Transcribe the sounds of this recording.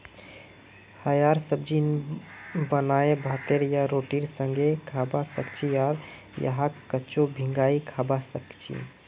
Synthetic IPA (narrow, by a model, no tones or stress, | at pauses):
həjaɾsəb̚d͡ʒin | bənaebʱət̪eɾjaɾoʈiɽsəŋɡekʰabasəkt͡ʃʰijaɾ | jə̰ɦakːət͡ʃobʱĩŋɡaikʰabasəkt͡ʃʰḭ